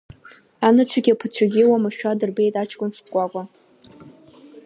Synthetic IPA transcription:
anɨt͡sʷʰaɡʲapʰɨt͡ɕʷʰaɡʲiwamaʃᶣadɨrbe̞jtʼat͡ʃʰkʷʼʊnstkʷʼakʷʼa

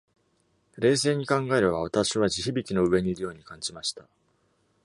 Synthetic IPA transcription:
ɾe̞ːse̞ːɲ̟ikãŋɡae̞ɾɯβaβat̪aɕiβaʑiçibʲikʲino̞ɯ̟e̞ɲ̟iːɾɯ̟jo̞ːɲ̟ikãɲd͡ʑimaɕi̥t̪a

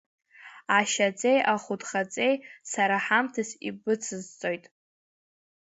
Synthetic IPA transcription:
aʃat͡sʼejʔaχʷʊdχat͡sʼe̞jsaɾaħamtʰasibɨt͡sʰɨzt͡sʼojtʼ

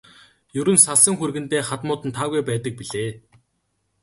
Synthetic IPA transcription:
jɵɾɵ̆nsaɮsə̆ŋxurɣɘ̆nt̪eːχat̪mʊːt̪ɘ̆nt̪ʰːaːɣujpæːt̪ə̆k̚piɮeː

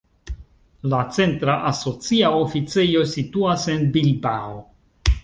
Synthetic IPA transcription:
lat͡se̞ntɾaʔaso̞t͡siaofit͡sejo̞situase̞nbilbao

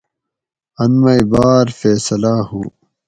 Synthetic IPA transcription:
ɐnmɐibaːɾfeːsɐlaːhuː

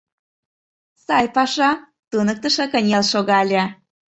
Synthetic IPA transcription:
sɑjpɑʃɑ | t̪unɤk̚t̪ə̆ʃĕkənʲelʃoɣɑlʲæ

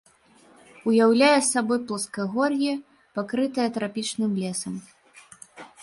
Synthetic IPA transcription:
ujawlʲajɛsabɔjplˠɐskɐɣɔrjɛ | pakɾɨt̪ɐjɐt̪ɾapʲit͡ʂnɨmlʲɛsɐm

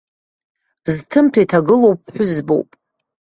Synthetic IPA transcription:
ztʰɨmtʰaitʰaɡɨlowp̚ʰʼħʷᶣʊzbo̰wpʼ

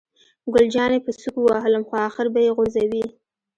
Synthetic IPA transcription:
ɡʊld͡ʒɑnepəsukuwɑɦələmxoɑxɪɾbajeɣozawi

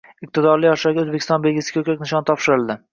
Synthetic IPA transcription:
ɪq̚t̪ʰɪd̪ɒɾlˠɪjɒʃaɡʲozbekʲʰɪst̪ɒ̃nbe̞lɡʲɪsɪ̥ɡʲʰokʲakʲnɪʃɒnt̪ʰɒpʃɪɾɪlˠd̪ɪ

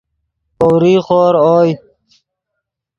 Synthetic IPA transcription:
kowɾiːxoːɾoːj

